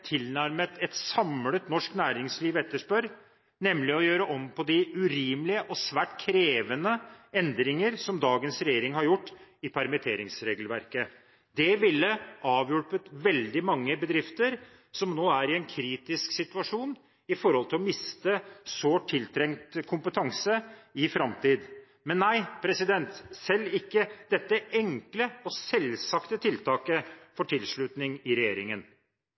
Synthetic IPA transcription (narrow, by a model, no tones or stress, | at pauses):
t̪ʰɪlnæɾmət̪ʰɛt̪sɑmlət̪nɔʂknæːɾɪŋsliːʋɛt̪ːəʂpœɾ | nɛmlɪɔjøːɾəʔɔmːpʰɔd̪ɪʉɾiːmlɪəʔɔsʋæːʈkʰɾeːʋənəɛnd̪ɾɪŋəɾsɔmd̪ɑːɡənsɾɛjeːɾɪŋhɑɾjʊʈːɪpʰæɾmɪt̪ʰeːɾɪŋsɾeːɡlʋæɾkə | d̪ɛʋɪlːəʔɑːʋjʊpət̪ʋɛld̪ɪmɑŋːəbəd̪ɾɪft̪əɾ | sɔmnoːæɾɪɛnkʰɾiːt̪ɪsksɪt̪ʉɑʂuːn | ɪfɔɾhɔlt̪ʰɪlɔmɪst̪əsoːʈʰːɪlt̪ʰɾɛŋt̪kʰʊmpət̪ʰɑŋsəɪfɾɑmt̪iːd̪ | mɛnːæɪpʰɾɛsɪd̪ɛnt̪sɛlːɪkːəd̪̥ɛt̪ːəɛŋkləɔsɛlsɑkt̪ət̪ʰɪlt̪ʰɑːkəfɔʈʰɪlʂɭʉt̪nɪŋɪɾɛjeːɾɪŋən